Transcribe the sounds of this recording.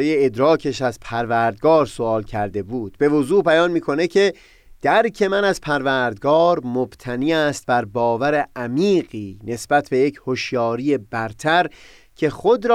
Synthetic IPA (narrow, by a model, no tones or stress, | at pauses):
jeed̪ɾɒːcʰeʃæzpʰæɾvæːɾd̪̚ɡɒːɾsoɒːlcʰæɾd̪e̞buːd̪̥̚be̞vozuːbæjɒːnmiːkʰo̞ne̞cʰe̞ | d̪̥æɾcʰe̞mænæzpʰæɾvæːɾd̪̚ɡɒːɾmob̥t̪ʰæniːæːst̪̚bæɾbɒːvæɾeʔæmiːɢiːne̞sb̥æt̪ʰbe̞jechoʃjɒːɾije̞bæɾt̪ʰæɾ | cʰe̞χod̪ɾː